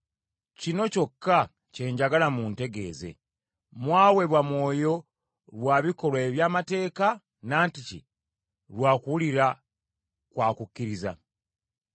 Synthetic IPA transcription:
cino̞co̞kːa | ce̞ːɲɟaɡalamunte̞ɡe̞̰ːze̞̰ | mwaːwe̞βwamwo̞ːjo̞ | lwaːβiko̞lweβjaːmate̞ːka | naːnticḭ | lwaːkuwuliɾa | kwaːkukːiɾiza̰

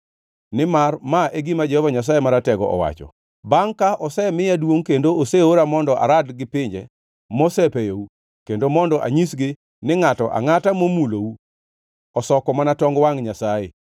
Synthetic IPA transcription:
nɪmarmaʔeɡɪmad͡ʒɛhɔvaɲas̬ajemaɾatɛɡɔ̰ʔɔ̰wa̰t͡ʃɔ̰ | baŋkaʔɔsɛmɪjadwoŋkendooseoɾamɔndɔʔa̰ɾadɡɪpɪɲd͡ʒɛ̰ | mɔsɛpejowu | kendomɔndɔʔa̰ɲisɡɪ | nɪŋatɔʔa̰ŋatamomulowu | ɔsɔkɔmanatɔŋɡwaŋɲasajḛ

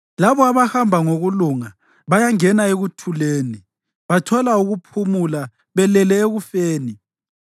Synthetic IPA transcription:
laβɔaβahambʱaŋoɣuluŋa | βajaŋɛnaeɣutʰuleːni | βatʰɔlauɣupʰumula | βɛlɛlɛeɣufeːni

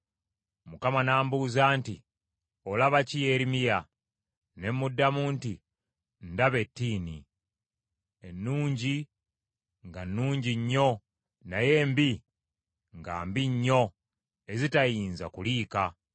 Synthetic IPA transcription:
mukamanaːmbuzaːnti | olaβacijeɾimija | ne̞mːudːamuːnti | ndaβe̞tːiːni | enːuːɲɟi | ŋɡanːuːɲɟiɲːo̞ | naje̞ːmbi | ŋɡa̰ːmbiɲːo̞ | e̞zitajiːnza̰kuliːka

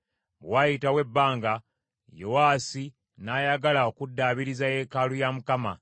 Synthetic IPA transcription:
wajitawe̞bːaːŋɡa | jo̞waːsi | naːjaɡalao̞kudːaːβiɾizaje̞ːkalujamukama

